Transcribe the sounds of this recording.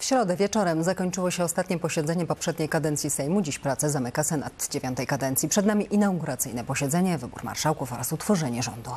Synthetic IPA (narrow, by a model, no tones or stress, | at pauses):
fɕɾɔd̪ɛvʲjɛt͡ʂɔɾɛmzakɔɲt͡ʂɘwɔɕɛɔst̪at̪ɲɛpɔɕɛd̪zɛɲɛpɔpʂɛd̪ɲejkad̪ɛnt̪sʲjisɛjmud͡ʑiɕpɾat̪sɛzamɘkasɛna̰d̪d͡ʑevʲjɔnt̪ɛjkad̪ɛnt̪sʲjipʂɛd̪namʲiʔinawɡuɾat̪sɘjnɛpɔɕɛd̪zɛɲɛvɘbṵɾma̰ɾʂawkufɔɾasut̪fɔʐɛɲɛʐɔ̰nd̪u